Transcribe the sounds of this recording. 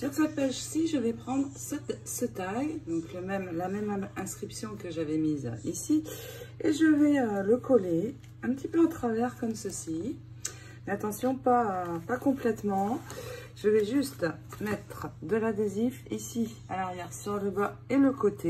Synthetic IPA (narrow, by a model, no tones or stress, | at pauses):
syʁsapaʒsiʒəvɛpχɑ̃d̪ʁsɛt̪sət̪ajd̪ɔ̃kləmɛmlamɛmmɛ̃skχipsjɔ̃kəʒavɛmiz̰isieʒəvɛøləkʰɔle | ɛ̃pət̪ipøãt̪χavɛʁkɔmsəsi | meat̪ɑ̃sjɔ̃papakɔ̃plɛt̪mɑ̃ʒ̥əvɛʒyst̪mɛt̪χəd̪əlad̪ezifisi | alaʁjɛʁsyʁləbaeləkot̪ʰe